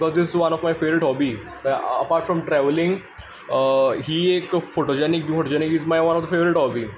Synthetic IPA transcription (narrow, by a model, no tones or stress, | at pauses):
kɔzd̪ɪsɪzʋɐnɔfmajfeʋɾɪʈɦɔbi | əpaːɾʈfɾɔmʈɾɛʋlɪ̃ŋɡ | ɦiːekfoʈod͡ʑɛnik̚jufoʈod͡ʑɛnikɦizmajʋɐ̃nɔfd̪əfeʋɾɪʈhɔbi